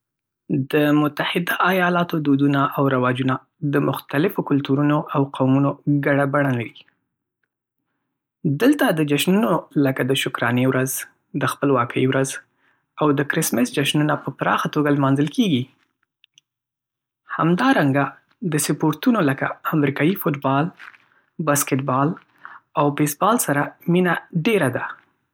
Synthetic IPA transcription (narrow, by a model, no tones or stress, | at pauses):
d̪əmʊt̪ahɪd̪aʔajɑlɑt̪od̪od̪unaʔawɾawɑd͡ʒuna | d̪əmʊxt̪alɪfokʊlt̪uɾunoʔawqawmunoɡaɽabaɽalaɾi | d̪əlt̪ad̪əd͡ʒaʃnunoləkad̪əʃʊkɾɑnewɾʔaz | d̪əxpəlwɑkəjwɾaz | awd̪əkɾɪsmɪsd͡ʒaʃnunapəpɾɑ̰xat̪oɡalmɑnzəlkeɡi | ha̰md̪ɑɾaŋɡa | d̪əsɪpoɾt̪unoləka̰ːmɾikɑjifoʈbɑl | baskɪʈbɑl | awbesbɑlsaɾaminaɖeɾad̪a